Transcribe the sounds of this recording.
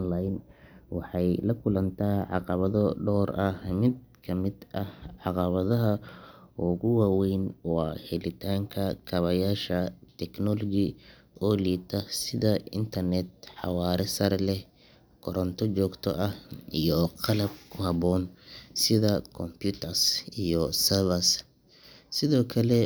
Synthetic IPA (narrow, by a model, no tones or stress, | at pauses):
ɔnlajnwɑħɑjlɐkʰʊlɐnt̪ʰaːʕɑ̰qɑβɐðɔɖɔːrɐhmɪd̪̚kʰɐmɪd̪ʔɐhʕɑqɑβɐðɐɦɐɔɣʊwaːwɛjnwɑːhɛlɪt̪ʰaːŋkʰɐkʰɐβɐjaːʃɐt̪ʰɛknɔlɔɡi | ɔːliːt̪ʰɐsɪðɐʔɪ̰nt̪ʰɐrnɛt̪̚ħɑ̰wɑːɾɛsɐɾlɛ | kʰɔɾɔnt̪ʰɔt͡ʃɔːɡt̪ʰɔ̰ʔɐhijɔqɑlɐb̚kʰʊhɐbɔːnsɪðɐkʰɔmpʰjut̪ʰɐrsijɔsɐβɐs | sɪðɔːkʰɐlɛ